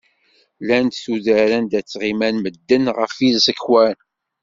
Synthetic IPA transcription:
lænt̪θuðæɾænd̪æt͡sːʁimænməd̪ːənʁəfiðsəkːwæn

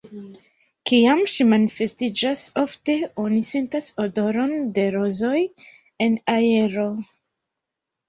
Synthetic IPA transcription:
kiamʃimanife̞stid͡ʒaso̞fte̞o̞nise̞ntasodo̞ɾo̞nde̞ɾo̞zo̞j | e̞nae̞ɾo̞

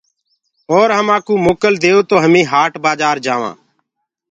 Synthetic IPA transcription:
oːɾɦəmaːkuːmoːkəld̪eːoːt̪oːɦəmĩːɦaːʈbaːd͡ʒaːɾd͡ʒaːʋã̰ː

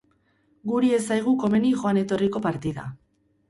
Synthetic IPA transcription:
ɡuɾie̞sajɣ̞uko̞me̞niʝo̞ane̞t̪o̞riko̞paɾt̪iða̰

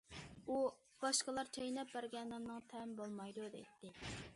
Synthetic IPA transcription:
u | b̥ɑʃqəlˠɑɾt͡ʃʰejnɛp̚bæɾɡʲɛnːɨmnɨŋt̪ʰɛmbolˠmɑjd̪ud̪ɛ̰jt̪ːɪ

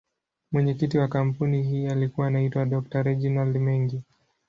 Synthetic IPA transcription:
mwɛɲɛkitiwakam̩punihiːalikuwaːnaitwaɗɔk̚taɾɛd͡ʒinaldmɛŋɡi

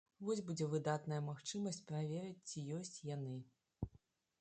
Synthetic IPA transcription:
vɔsʲbud͡zʲɛvɨd̪at̪nɐjɐmaxt͡ʂɨmɐsʲt͡sʲpɾavʲɛɾɨt͡sʲt͡sʲijɔsʲt͡sʲjanɨ

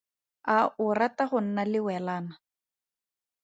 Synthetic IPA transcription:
aʔʊrataχʊn̩nalɪwɛlaːna

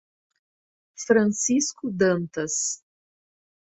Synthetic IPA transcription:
fɾɐ̃siskʊd̪ɐ̃nt̪ɐs

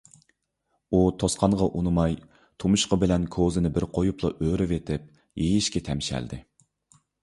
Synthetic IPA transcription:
ut̪ʰosqʰɑɴʁɑʔunɨmɑj | t̪ʰumuʃqɑbɪlɛnkʰozɪnɪbɪɾqʰojuplˠɑʔøɾɪvet̪ʰɪp̚ | jejiʃkʲɛt̪ʰɛmʃɛ̰ld̪ɪ

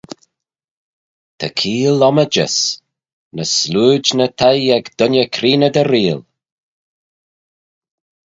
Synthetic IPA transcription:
t̪ʰəkʰiːlɔməd͡ʒə̰s | nəsluːd͡ʒnət̪ʰajɛɡd̪̥ʊnʲjəkʰɾiːnəd̪əɾiːl

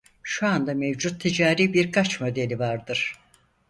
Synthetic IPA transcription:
ʃuand̪amevd͡ʒut̪ʰːid͡ʒaːɾiːbiɾkʰat͡ʃmo̞d̪e̞lʲivaɾd̪ɯɾ̥

